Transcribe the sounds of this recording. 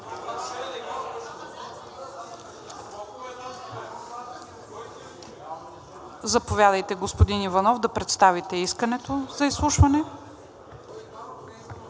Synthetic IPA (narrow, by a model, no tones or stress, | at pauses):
zɐpovjad̪əjt̪ɛɡospod̪inivɐnɔvd̪ɐpɾɛt̪st̪avit̪ɛiskənɛt̪ozɐislˠuʃvɐnɛ